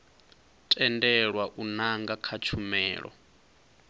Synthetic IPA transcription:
tʼɛndɛɺwaʔunaŋɡakʰat͡ʃʰumɛːɺɔ̰

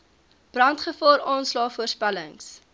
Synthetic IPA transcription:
b̥rɐntχəfɑːɾɑːnslɑːfuərspæləŋs

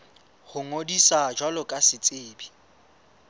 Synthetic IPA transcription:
hʊŋodisad͡ʒwalʊkʼasɪt͡sʼɪːbi

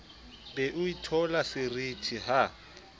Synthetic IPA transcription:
bɛʔʊitʰɔlasɪritʰiɦa

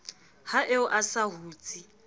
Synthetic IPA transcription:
haʔeʊʔasaɦuːt͡sʼi

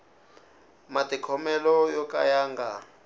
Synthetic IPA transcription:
matʼikʰɔmɛlɔjɔka̰jaːŋɡa

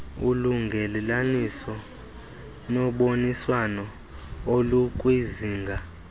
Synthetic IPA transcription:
uluŋɡʱɛlɛlanisɔ | nɔɓoniswanɔ | olukʼwiziːŋɡʱa

